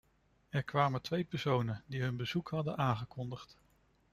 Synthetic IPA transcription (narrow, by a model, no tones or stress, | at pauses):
ɛɹkʋaːmətʋejpɛɹsownəndiɦɵnbəzukhɑdənʔaːŋχəkɔndəχt